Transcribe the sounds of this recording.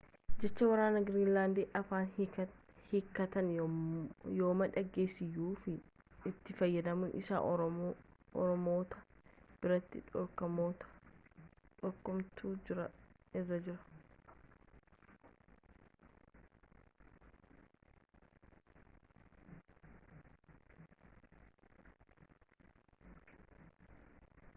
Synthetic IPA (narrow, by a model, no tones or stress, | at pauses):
d͡ʒɛt͡ʃːɐwɐɾaːnɐɡɾiːnlaːnd̪eːʔɐfaːn | hɪkːɐt̪ɐn | joːmɐᶑɐɡːe̞ːsːɪjːuːfɪ | ɪt̪ːɪfɐjːɐd̪ɐmʊʔɪsa̰ː | ɔ̰ɾɔmo̞ːt̪ɐb̥ɪɾɐt̪ːɪ̰ᶑɔkɐmoːt̪ɐ̥ | ᶑɔɾkːɔmt̪uːd͡ʒɪɾɐ̰ɪrːɐd͡ʒɪɾɐ̥